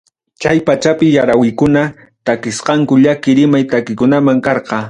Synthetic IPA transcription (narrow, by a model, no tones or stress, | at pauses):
t͡ʃajpat͡ʃapɪjaɾawɪjkʊna | t̪akɪsqɑŋkʊʎakɪɾɪmajt̪akɪkʊnamaŋkɑɾqɑ